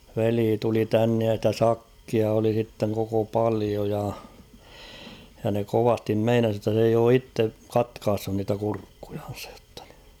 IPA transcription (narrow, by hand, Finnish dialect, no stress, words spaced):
ʋeliː tuli tænːej jɑ stæ sɑkːiɑ oli sitːeŋ koko pɑlio jɑ jɑ ne koʋɑstim meinɑs jotːɑ s eij oː itːe kɑtkɑːsːun niːtæ kurkːuj̊ɑ̥n̥̞sɑ̥j̊ j̊o̥tːɑ̥ n̥i̥